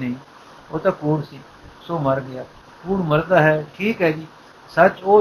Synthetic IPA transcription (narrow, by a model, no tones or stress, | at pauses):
nəɦĩː | oːt̪ãːkuːɽsiː | soːməɾɡəjaː | kuːɽməɾd̪aːɦɛːʈʰiːkɦɛːd͡ʒiː | sət͡ʃoː